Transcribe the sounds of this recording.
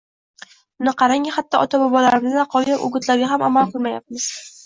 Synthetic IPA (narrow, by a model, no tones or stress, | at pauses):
ʊnɪqʰɑɾaŋʲɪhat̪ʰːɒʔɒt̪ʰabɒbɒlaɾɪmzd̪aqʰɒlˠjɪɾʔʊ̰ɡʊt̪laɾɡʲaɦama̰malˠqɨlˠmajap̚mɪz̥